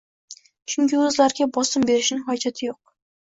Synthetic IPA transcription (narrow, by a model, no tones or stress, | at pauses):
t͡ʃʰʊŋkʲɪɵzlaɾɡʲabɒsɪmbe̞ɾɪʃnɪŋɦɒd͡ʒat̪ʰɪjoq̚